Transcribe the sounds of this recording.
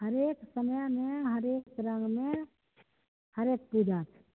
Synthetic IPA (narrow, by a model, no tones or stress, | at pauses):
həɾeːksəməjmẽɦəɾeːkɾə̃ŋɡmẽ | həɾeːk̚pud͡ʒaːt̪